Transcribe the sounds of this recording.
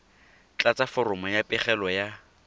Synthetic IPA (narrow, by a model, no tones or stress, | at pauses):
t͡ɬʼat͡safɔrʊmʊjapʼɪχɛlɔja